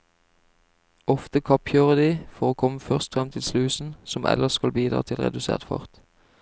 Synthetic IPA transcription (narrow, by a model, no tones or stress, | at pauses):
ɔft̪əkʰɑpçøːʁəd̪iːfɔʁoːkʰɔməfœʁst̪fʁɛmt̪ʰɪlslʉːsn̩sɔmʔɛ̰ləskɑlbiːd̪ʁɑ̰ːt̪ʰɪlʁɛ̰d̪ʉsḛːʁt̪fɑ̰ʁt̪